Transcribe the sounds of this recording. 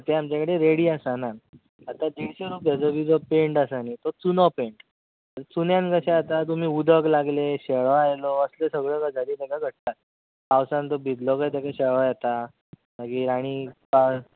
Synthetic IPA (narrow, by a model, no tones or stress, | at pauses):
t̪eamt͡ɕjakəɽeɾeɽiːasana | at̪ad̪iɭɕeɾupjad͡zəbiːd͡zɔpeɳʈasanit̪ɔt͡sunɔpeɳʈ | ɾt͡sunjankəseat̪at̪̬um̤iːud̪ʱəklaɡleɕeɭʋajlɔəslesəɡɭəkad͡zʱaɾiːt̪ekaɡʱəɽ̚t̪at̪̚ | kawsãnt̪ɔbʱid̪lɔkajt̪akaɕeɭʋajɛt̪a | akiːɾaɽ̃iːka